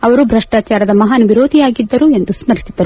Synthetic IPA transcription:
ɐʋɐɾubɾɐʂʈaːt͡ʃaːɾɐd̪ɐmɐɦaːnɐʋiɾoːd̪ʱijaːɡid̪ːɐɾue̞nd̪usmɐɾisid̪ːɐɾu

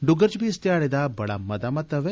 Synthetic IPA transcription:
ɖʊɡəɾt͡ʃbist̪jaːɽed̪abɐɽa̰mɐd̪amɐt̪ɐʋe

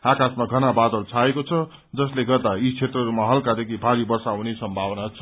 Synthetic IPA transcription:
akasmaɡʱʌnabad̪ʌlt͡sʰaekot͡sʰʌ | d͡zʌsleɡʌrd̪ait͡sʰet̪rʌɾumaɦʌlkad̪ekʰibʱaɾibʌrsaɦunesʌmbʱabʌnat͡sʰʌ̥

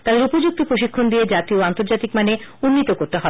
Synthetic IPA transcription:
t̪ad̪eɾupod͡ʑuk̚t̪opɾoʃikʰːond̪ied͡ʑat̪ioant̪oɾd͡ʑat̪ikmaneunːit̪okoɾt̪eɦɔe

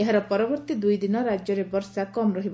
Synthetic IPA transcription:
eɦaɾɔpɔɾɔbɔɾt̪id̪ujd̪inɔɾad͡ʒjɔɾebɔɾsakɔmɾɔɦib

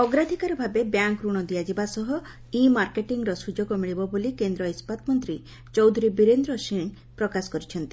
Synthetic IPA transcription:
ɔɡɾad̪ʱikaɾɔbʱabebjaŋkɾuɽ̃ɔd̪ijad͡ʒibasɔɦɔ | imaɾkeʈiŋɾɔsud͡ʒoɡɔmiɭibɔbulikend̪ɾɔispat̪mɔnt̪ɾi | t͡ʃɔwd̪ʱuɾibiɾend̪ɾɔsiɳ̃ | pɾɔkasɔ̥kɔɾit͡ʃʰɔnt̪i̥

